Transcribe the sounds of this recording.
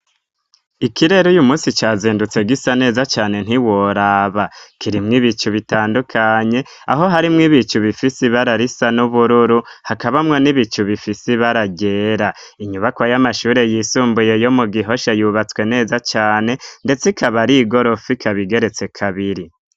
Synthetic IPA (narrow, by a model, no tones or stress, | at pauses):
ikiɾe̞ɾujumuːsit͡ʃaːziːndut͡se̞ɡisane̞ːzat͡ʃaːne̞n̥iwoɾaːβakiɾimŋiβit͡ʃuβitaːndukʰaɲe̞ | aɦo̞ɦaɾimŋiβit͡ʃuβifisiβaɾaɾisanuβuɾuɾuhakaβamŋo̞niβit͡ʃuβifisiβaɾaɡe̞ːɾaiɲuβakwajamaʃuːɾe̞jiːsuːmbuje̞jo̞muɡiɦo̞ʃajuβat͡swe̞ne̞ːzat͡ʃaːne̞nde̞t͡sikʰaβaɾiːɡo̞ɾo̞fikʰaβiɡe̞ɾe̞t͡se̞kʰaβiɾi